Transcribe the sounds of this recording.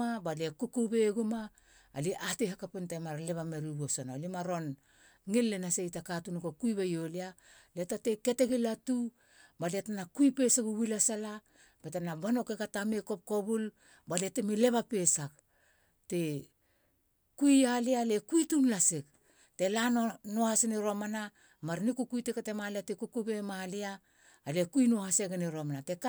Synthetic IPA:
abalekukubeɡuma̰ː | liʔatehakapentemaɾle̞βameɾibosonolimaɾo̞n | ŋilːenasejtakatunukokujβejolia | letateke̞teɡilatu | baletanakujpe̞saɡuwilasala | betanabano̞kekatameko̞p̚ko̞βul | baletemile̞βape̞sak | te̞ | kujalialekujtunlasek | te̞lanonohaseniɾo̞mana | maɾnikukujtekatemaliatekukubemaliaː | lekuinohaseɡeniɾomanate̞k

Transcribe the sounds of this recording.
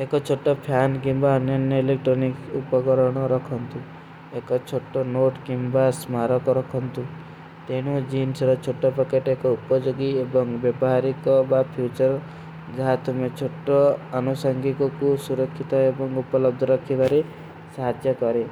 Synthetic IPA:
ekɔt͡ʃʰoʈːɔpʰjankimbaːnjɔnjɔilek̚ʈɾɔnikupɔkɔɾɔɽ̃ɔɾɔkʰɔnt̪u | ekɔt͡ʃʰoʈːɔnoʈkimbasmaɾɔkɔɾɔkʰɔnt̪u | t̪eɽ̃ud͡ʒinsɾɔt͡ʃʰoʈːɔpɔkeʈekɔupɔd͡ʒoɡiebɔŋbjebɔɦaɾikɔbapʰjut͡ʃɔɾ | d͡ʒaɦat̪umet͡ʃʰoʈːɔːnusɔŋɡikɔkusuɾɔkʰːit̪ɔebɔŋupɔlɔb̚d̪ʱɔɾɔkʰːibaɾe | saɦad̪jɔkɔɾe

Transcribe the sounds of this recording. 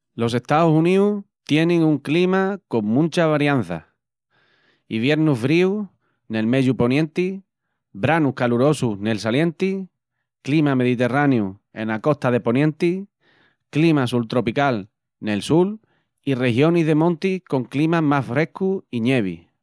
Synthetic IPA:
los̬e̞ht̪ausuniut̪je̞nẽŋuŋklimako̞ŋmũnt͡ʃaβaɾjan̟θa̰ | iβje̞ɾnuffɾiu | ne̞lme̞ʎupo̞njẽ̞nt̪i | bɾanuhkaluɾo̞sune̞lsaljẽ̞nt̪i | klimame̞ðit̪e̞ranjue̞̰nako̞ht̪aðe̞po̞njẽ̞nt̪i | klimasult̪ɾo̞pikal | ne̞lsul | ire̞hjo̞niɦðe̞mõnt̪iko̞ŋklimamasfɾe̞hkuiɲe̞β̞ḭ

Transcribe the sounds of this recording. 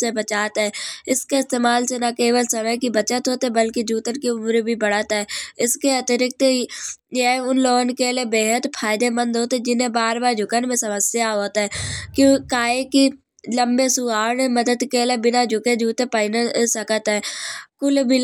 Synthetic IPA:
sebət͡ʃaːt̪ɦɛːɪskeɪst̪eːmaːlsenakeːʋəlsɐməjkibət͡ʃət̪ɦoːt̪ɦɛbəlkid͡ʒuːt̪ənkiʊmɾbʱibəɽət̪ɦɛːɪskeət̪əɾɪk̚t̪ | eʊnloːɡənkelebeːɦət̪pʰaːɪd̪emə̃nd̪ɦoːt̪ɛd͡ʒɪnẽbaːɾbaːɾd͡ʒʱʊkənmẽsɐməsjaɦoːt̪ɦɛːkjõːkaːeki | lə̃mbesʊaːɾneməd̪əd̪kelebɪnad͡ʒʱʊked͡ʒuːt̪epəɪnəsəkət̪ɦɛːkʊlbʱi

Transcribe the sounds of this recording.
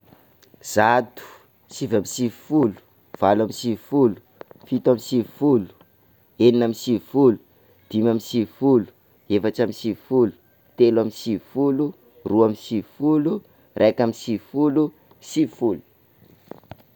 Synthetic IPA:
z̥at̪u̥ | sivamisivfulu̥ | v̥alamisivifulu̥fit̪amisivfulu̥ | eninamisivfulu̥ | d̪̥imamisivfulu̥ | efaʈ͡ʂamisivfulu̥ | t̪elwamisivfulu | ruamisifulu | rʔekamisifulu | sifulu̥

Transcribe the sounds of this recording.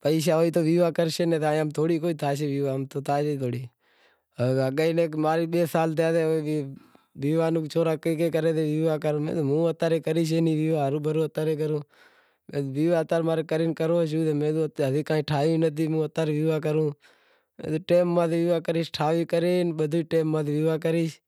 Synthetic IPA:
pəiːʃ̬aːoːiːt̪oːʋiːʋaːkəɾʃeːnẽːt̪aːəmt̪ʰoːɽiːk̬oːiːt̪ʰaːʃ̬eːʋiːʋaːəmt̪oːt̪ʰaːd͡ʒet̪ʰoːɽiː | əɡaːineːkmaːɾiːɓeːsaːlt̪̬eaːt̪eːoːi | ʋiːʋaːnuːkt͡ʃʰoːɾaːkeːkeːkəɾeːt̪eːʋiːʋaːkəɾːmḛːd̪omũːət̪aːɾeːkəɾiːʃ̬eːniːʋiːʋaːɾuːbʱəɾõːət̪aːɾeːk̬əɾũː | mḛ̃ːd̪ʋiːʋaːət̪aːɾmaːɾekəɾiːnkəɾoːʃ̬uːt̪eːmẽːd̪oːt̪ɦət̪iːkãːiːʈʰaːĩːnət̪̬ʰiːmũːət̪aːɾiːʋiːʋaːk̬əɾũː | mḛːd̪oːʈeːmːãːt̪eʋiːʋaːkəɾiːʃʈʰaːʋiːkəɾeːnɓəd̪ʱoːiʈeːmːãːt̪ːʋiːʋaːk̬əɾiːʃ

